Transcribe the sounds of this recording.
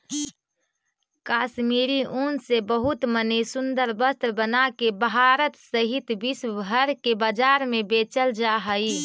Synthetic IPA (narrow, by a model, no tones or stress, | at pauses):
kaːʃmiːɾiʔuːnsebəɦʊt̪mənəsʊnd̪əɾbəst̪ɾbənakebɦaːɾət̪səɦɪt̪bisbʱəɾkebaːd͡ʒaːɾmẽbeːt͡ʃəld͡ʒaɦəi